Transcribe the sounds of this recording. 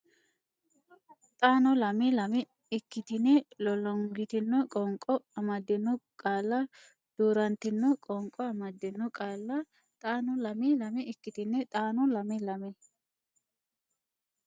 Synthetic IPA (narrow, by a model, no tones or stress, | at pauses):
t̪ʼaːnɔlɐmɪlɐmɪ | ɪkːɪt̪ɪnɛlɔlɔŋɡɪt̪ɪnːɔkʼɔŋkʼːɔɐmɐd̪ːɪnʊkʼaːlːɐ | d̪̥uːɾɐnt̪ɪnːɔkʼɔŋkʼːɔɐmɐd̪ːɪnːʊkʼaːlːɐ | t̪ʼaːnɔlɐmɪlɐmɛɪkːɪt̪ɪnːɛt̪ʼaːnɔlɐmɪlɐmɛ